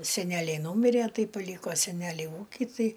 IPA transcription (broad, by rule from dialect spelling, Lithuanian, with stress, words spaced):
sʲɛˈnʲæːlʲɛɪ ˈnuːmʲɪrʲeː ˈtɐɪ pɐˈlʲiːkoː sʲɛˈnʲæːlʲɛɪ ˈuːkʲɪ ˈtɐɪ